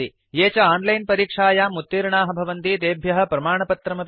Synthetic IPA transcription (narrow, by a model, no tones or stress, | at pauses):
i | jeːt͡ʃɐaːnlɐjnpɐɾiːkʂaːjaːmut̪ːiːɾɳaːɦɐbʱɐʋɐnt̪id̪eːbʱjɐɦɐ̆pɾɐmaːɳɐpɐt̪ɾɐmɐp